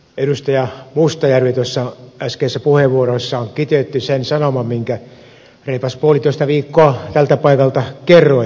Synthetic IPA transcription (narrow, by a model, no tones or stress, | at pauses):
eɾust̪ɑjɑmust̪ɑjærʋit̪uosːɑæskeːsːæpuheʋʋuorosːɑoŋkit̪et̪ːysensɑnomɑmmiŋkæ | reipɑspuolit̪oˑist̪ɑʋiːkːoɑt̪ælt̪æpɑikɑlt̪ɑkerːo